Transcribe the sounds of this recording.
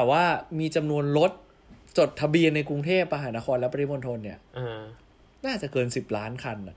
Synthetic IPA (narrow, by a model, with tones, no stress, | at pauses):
t̪ɛ˨˩waː˥˩miː˧t͡ɕa˧mnu˧ənlo˦˥t̪̚ | t͡ɕo˨˩t̪ʰːa˧bi˧ənːa˧jkɾu˧ŋt̪ʰeː˥˩p̚ma˧ɦaː˩˦na˦˥kʰɔː˧nlɛ˦˥pːɾa˧ɾʰi˦˥mo˧nt̪ʰo˧nːi˥˩ɐ | naː˥˩t͡ɕa˨˩kɤː˧nsi˨˩p̚laː˦˥nkʰa˧nːa˨˩